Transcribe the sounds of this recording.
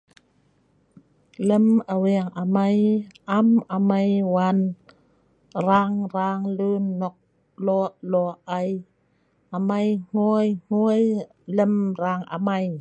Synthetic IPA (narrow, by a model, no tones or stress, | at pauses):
ləmʔawɛːŋʔamajʔamʔamajwan | ɾaːŋɾaːŋlɯːnːɔk̚ | lɔlɔːʔaj | ʔamajŋ̥ujŋ̥uəj | ləmɾaːŋʔa̰maj